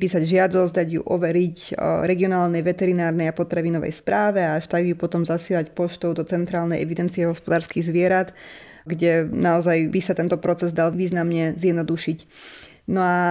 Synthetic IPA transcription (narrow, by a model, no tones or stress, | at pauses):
pisaɟʒɪad̪ɔzd̪aɟjṵʔɔʋɛɾicɾɛɡiɔnaːlnɛjʋɛt̪ɛɾinaːɾnɛjapɔt̪ɾaʋinɔʋɛ̰jspɾʔaːʋɛaaʃt̪aɡjupɔt̪ɔmzasɪɛlacpɔʃt̪ɔʊd̪ɔt͡sɛnt̪ɾaːlnɛjɛ̰ʋid̪ɛnt͡sijɛɦɔspɔd̪aːɾskiɣzʋɪɛɾat̪ | ɡɟɛnaɔzajbisat̪ɛnt̪ɔpɾɔt͡sɛzd̪alʋiːznamɲɛzjɛd̪nɔd̪uʃic | nɔa